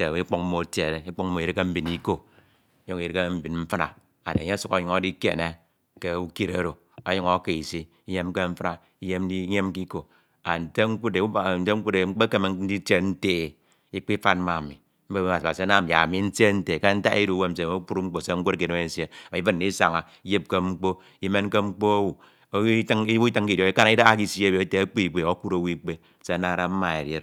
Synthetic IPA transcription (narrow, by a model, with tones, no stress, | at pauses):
e˨i˦k͡po˦km̩˦mo˨tje˨ɾe˦i˦k͡po˦k̚m̩˦mo˨i˨ɾi˦ke˦m̩˦bi˨ni˦ko˦ | jo˦ŋ˦i˨ɾi˦ke˦m̩˦bi˨nm̩˦fa˦na̰˨ | a̰˨de˨e˦su˨ko˨˦ɲu˨ŋo˦di˦kḛ˨ne˦ | ke˦u˦ki˦ɾe˨˦ɾo˨ | a˦ɲo˦ŋo˦ke˨i˨si˦ | i˦je˦m˦ke˦ɱ̩˦fna˨ | i˦je˦m˦i˦ɲe˦m˦k̬i˦ko˨ | a̰˨n̩˨te˦ŋ͡m̩˦ku˦de˨˦˨n̩˨˦te˦ŋ̩˦ku˦de˨ŋ͡m̩˦k͡pe˦ke˨me˨n̩˦i˦te˦n̩˦teː˦˨ | i˦k͡pi˦fa˦n˦ma˨mḭ˨ | m̩˦be˦a˨ba̰˨si˨a˦na˦˨mi˨a̰˨mi˨˦n̩˦te˦n̩˦te˨ke˦n̩˦ta̰˦i˦ɾu˦˨˦we˦m̩˨s̬e˨˦ku˦ɾu˦ŋ͡m̩˦k͡po˨se˦ŋ̩˦kʷo˦ɾk̬i˨ne˦me˨˦˨se˦a˨˦ɨ˦nn˨i˦sa˨ŋa˨ | i˦je˦p̚ke˦ŋ͡m̩˦k͡po˦ | i˦me˦n˦ke˦ŋ͡m̩˦k͡po˦o˦wu˨˦ | tŋ˦u˦tɨ˦ŋ˦ki˨di˦ka˦na˨˦i˦da˦a˦ki˦sje˦˨bte˦a˦k͡pi˦i˨k͡pe˨o˦ku˦ɾo˦wi˦k͡pe˦˨se˨a˦na˦˨ɾa˦m̩˦ma˨ḛ˨ɾje˦ɾ